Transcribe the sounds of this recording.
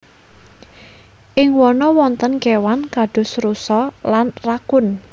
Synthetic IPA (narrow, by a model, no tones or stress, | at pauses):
ʔɪŋwɔnɔwɔnt̪ənkewankaɖ̥ʊ̤sɾusɔlanrakʊn